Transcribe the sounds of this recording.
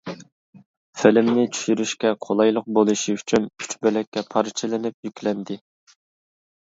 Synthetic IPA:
fɪlɪmnɪt͡ʃʰy̥ʃyɾyʃkʲɛqʰolˠɑjlˠəq̚bolˠɨʃiyt͡ʃʰyny̥t͡ʃbølɛkʲːɛpʰɑɾt͡ʃʰɪlɪnɪp̚jykʲlɛnd̪ɪ

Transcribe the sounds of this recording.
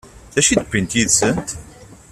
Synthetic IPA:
θæʃid̪pːint̪jiðsənt̪

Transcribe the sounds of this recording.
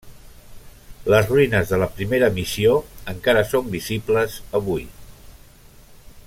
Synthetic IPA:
ləzruinəzðələpɾimeɾəmisioəŋkaɾəsombizibləzəβ̞uj

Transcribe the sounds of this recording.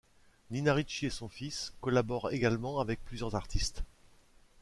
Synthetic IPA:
ninaʁit͡ʃiesɔ̃fiskɔlabɔʁeɡalmɑ̃avɛk̚plyzjœʁzaʁt̪ist̪

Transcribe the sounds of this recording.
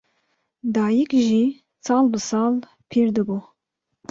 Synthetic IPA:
d̪ɑːjikʒi | sɑːlbɨsɑːl | pʰiɾd̪ɨbu

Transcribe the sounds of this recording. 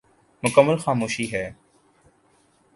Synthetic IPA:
mʊkəmːəlxaːmoːʃiɦɛː

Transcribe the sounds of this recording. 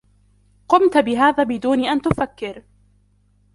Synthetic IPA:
qʊmt̪bɪɦaːðaːbɪd̪uːniʔant̪ʊfakːɪɾ

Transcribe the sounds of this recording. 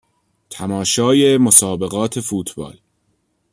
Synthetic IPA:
t̪ʰæmɒːʃɒːjemosɒːbe̞ɣɒːt̪ʰe̞fuːt̪ʰbɒ̰ːl

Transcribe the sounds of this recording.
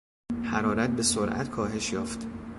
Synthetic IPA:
hæɾɒːɾæt̪̚be̞soɾʔæ̰t̪kʰɒːɦe̞ʃjɒ̰ːft̪

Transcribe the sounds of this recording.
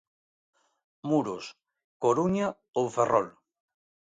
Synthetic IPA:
muɾos | koɾuɲa | owferɔl

